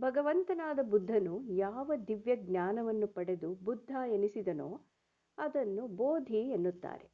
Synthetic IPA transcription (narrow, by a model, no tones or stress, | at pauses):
bʱɐɡɐʋɐnt̪ɐnaːd̪ɐbud̪ʱːɐnujaːʋɐd̪iʋjɐɡnɲaːnɐʋɐnːupɐɽe̞d̪ubud̪ʱːaːenisid̪ɐno̰ː | ɐd̪ɐnːuboːd̪ʱienːut̪ːa̰ːɾe